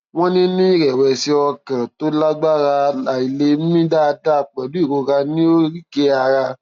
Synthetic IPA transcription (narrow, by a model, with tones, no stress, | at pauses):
wɔ̃˦nĩ˦nĩ˦i˦˨ɾɛ˨wɛ˨si˧ɔ˧kã˨to˨˦la˦ɡ͡ba˦ɾa˧la˨i˨le˧˦m̩˦mĩ˦da˦˧da˦˨k͡pɛ˨du˨˦i˦˨ɡõ˨˧ɾa˧nĩ˦o˦ɾi˦ke˦a˧ɾa˧